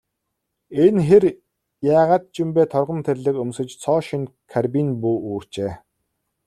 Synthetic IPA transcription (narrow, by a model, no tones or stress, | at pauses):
enxer | jaːʁaːt̪̚t͡ɕimpeːt̪ʰɔrʁə̆nt̪ʰerʲɮɘ̆kɵmsɘ̆t͡ɕt͡sʰɔːʃĭnkʰarpinpuːuːr̥t͡ɕeː